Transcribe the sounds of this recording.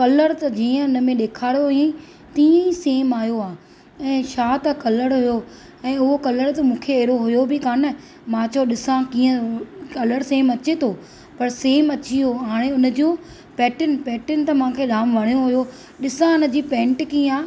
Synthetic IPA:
kɐləɽt̪ɐd͡ʑiːə̃ʊn̆mẽɗeːkʰaːɾjoɦjẽ | t̪iːə̃iseːmaːjoaː | ɛ̃ːʃaːt̪ɐkɐləɽɦʊjo | ɛ̃ːʊɦokɐləɽt̪ɐmũːkʰeeːɾoɦʊjobʱikaːnə | mãt͡ɕoɗɪsãkiːə̃kɐləɽseːmɐt͡ɕet̪ʰoː | pɐɾseːmɐt͡ɕioɦaːɽ̃eʊnə̆d͡ʑũ | pɛːʈɪnpɛːʈɪnɪ̆t̪ɐmãːkʰeɾaːmʋɐɽ̃joɦʊjo | ɗɪsãʊnə̆d͡ʑiːpẽːɳʈkiːə̃aː

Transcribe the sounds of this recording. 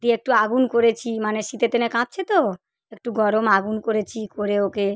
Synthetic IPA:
d̪iek̚ʈuaɡunkoɾet͡ɕʰimaneʃit̪et̪enekãp̚t͡ɕʰet̪o | ek̚ʈuɡɔɾomaɡunkoɾet͡ɕʰikoɾeoke

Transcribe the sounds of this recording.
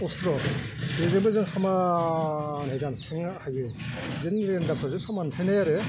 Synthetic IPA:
ɔstʰɾɔbezɯbɯzɯŋsama | nhezankʰeŋahajɡɯzɯnɾendapʰɯzɯsamantʰenajaɾɯ

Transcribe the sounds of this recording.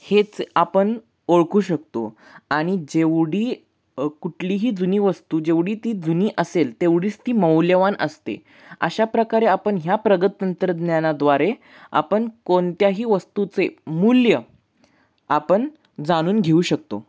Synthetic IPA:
het͡sapəɳ | oɭkuːɕək̚t̪o̰ | aɽ̃id͡ʑeʋɽiː | kuʈʰliɦiːd͡zuniːʋəst̪uːd͡ʑeʋɽiːt̪iːd͡zuniːʔəselt̪eʋɽiːt͡st̪iːməwljəʋanəst̪ḛ | ə̰ɕapɾəkaɾeapəɳɦjapɾəɡət̪ːənt̪ɾəd̪njanad̪ʋaɾe | a̰pəɳkont̪jaɦiːʋəst̪ut͡semuljə | apəɳ | d͡zaɽ̃uːnɡʱeuːɕək̚t̪o̰

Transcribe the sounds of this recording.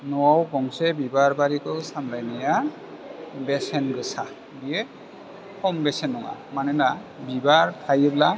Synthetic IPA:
nɔwawbɔŋsɛbibaɹbaɾikɔwsamlajnija | bɛsɛnɡɯsa | bijɛ | kʰɔmbɛsɛnɔŋa̰manɛnabibaɹtʰajɯbla

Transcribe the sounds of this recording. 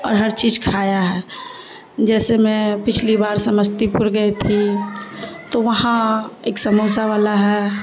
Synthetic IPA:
ɔ̰ːɾɦɐɾt͡ʃiːd͡ʒkʰaːjaɦɛː | d͡ʒɛːsemɛ̃pɪt͡ʃʰlibaːɾsɐməd͡ʒt̪ipʊɾɡəet̪ʰi | t̪oʋɐɦãeːksɐmoːsaʋaːlaɦɛː

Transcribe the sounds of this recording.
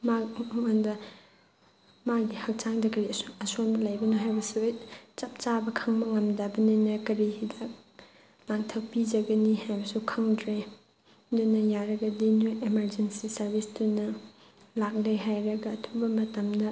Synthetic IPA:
maŋandɐ | maɡihɐk̚t͡ʃaŋdɐkɐɾiɐsu̥ɐsonɐlajbɐnoɦajbɐsujt͡ʃɐp̚t͡ʃabɐkʰaŋmɐŋɐmdabɐninɐkɐɾidɐ | laŋtʰɐk̚pid͡ʒɐɡɐnihajbɐsukʰaŋdɾe | dunɐjaɾɐɡɐdinojʔemɐɾd͡ʒensisɐɾbʱisdunɐ | lak̚leɦajɾɐɡɐːtʰubɐmɐtɐmdɐ

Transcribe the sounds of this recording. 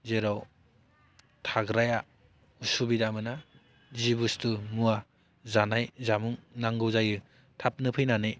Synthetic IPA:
zeɾɔw | tʰaɡɾaja | usubidamɯna | zibustumua | zanajzamuŋnaŋɡɯwzajɯ | tʰap̚nɯpʰɯjnanɯ

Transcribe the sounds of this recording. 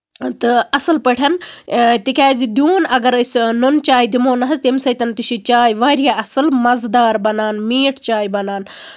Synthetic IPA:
t̪ɨɐsɐlpəʈʰɐnt̪ikʲaːzid̪juːnɐɡɐɾəsʲnont͡ʃaːjd̪imoːnɐɦɐzt̪emsɐjt̪ɐnt̪uʃit͡ʃaːjʋaːɾjaɐsɨlmɐzd̪aːɾbɐnaːnmiːʈʰt͡ʃaːjbɐnaːn

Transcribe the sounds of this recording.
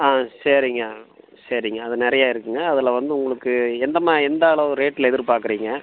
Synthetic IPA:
aːsɐɾiŋɡɐ | sɐɾiŋɡɐːðɯnɪɾɐjaːɪɾɯkːɯŋɡɐːðɪlɐʋɐnd̪ɯʊŋɡɐɭɯkːɯɛnd̪ɐmaːɛnd̪aːɭɐʋɯ̃ɾeːʈːɪlɛðɪɾɯpaːɾkɯɾiːŋɡɐ

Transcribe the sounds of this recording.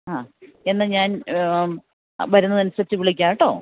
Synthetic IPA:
aːe̞nːɨɲaːn | bɐɾunːɐnɐnɐsɐt͡ɕːɨʋiɭik̬ʲːaːʈːoː

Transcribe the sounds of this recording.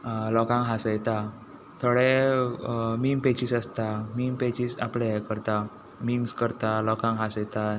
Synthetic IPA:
lɔkãŋɦasajt̪a | t̪ʰoɽe | mimpet͡ɕiːsəst̪amimpet͡ɕisa̰plekəɾt̪a | miŋskəɾt̪alɔkãŋɦasjt̪a

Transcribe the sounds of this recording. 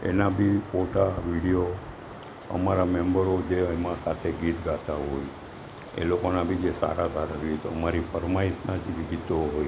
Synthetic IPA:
ḛnabʱifoʈaʋiɽijo | ə̰maɾamɛmbəɾod͡ʒeemãsat̪ʰeɡit̪ɡat̪aɦoj | ḛlokonabʱid͡ʒesa̰ɾasaɾaɡit̪oəmaɾifəɾmaisnad͡ʒiɡɡit̪oɦoj

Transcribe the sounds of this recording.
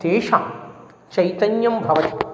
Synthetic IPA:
eːʂaːm | t͡ʃɐjt̪ɐɲjɐmbʱɐʋɐt̪i̥

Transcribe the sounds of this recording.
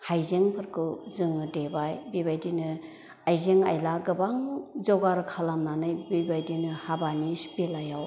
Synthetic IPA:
hajzeŋpʰɯɾkʰɯwzɯŋɯdebajbibajdinɯ | ajzeŋa̰jlaɡɯbaŋzɔɡaɾɯkʰalamnanɯjbibajdinɯhabanisbelajaw

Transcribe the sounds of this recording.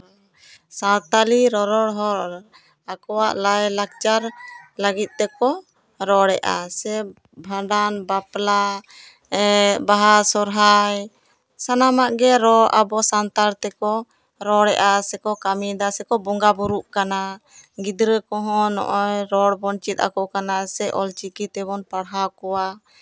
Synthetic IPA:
sat̪aliɾɔɾɔɽɦɔɾ | akɔwaʔlajlak̚t͡ʃaɾlaɡit̪̚ˀt̪ɛkɔ | ɾɔɽɛʔa̰sɛ | bʱaɖanbapla | ɛbaɦasɔɾɦaj | sanamaʔɡɛɾɔɾʔabɔsant̪aɾt̪ɛkɔ | ɾɔɽɛʔasɛkɔkamid̪asɛkɔbɔŋɡabuɾuʔkana | ɡid̪ɾəkɔɦɔ̃nɔ̰ʔɔjɾɔɽbɔnt͡ʃit̪̚a̰kɔkanasɛʔɔlt͡ʃikit̪ɛβɔnpaɽɦakɔwa

